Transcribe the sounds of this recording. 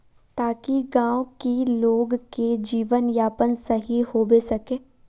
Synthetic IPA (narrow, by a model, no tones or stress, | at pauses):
t̪aːkiɡãːwokiloːɡked͡ʒiːʋənjaːpənsɐɦihoːbesɐkẽː